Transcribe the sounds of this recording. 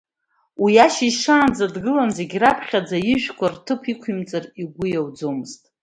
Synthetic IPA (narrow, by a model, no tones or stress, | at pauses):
wijaʃiʂaːnd͡zadɡɨlanze̞ɡʲrapʰχʲad͡zaiʒᶣkʷʰartʰɨpʰikʷʰimt͡sʼariɡʷʊjawd͡zomɨztʼ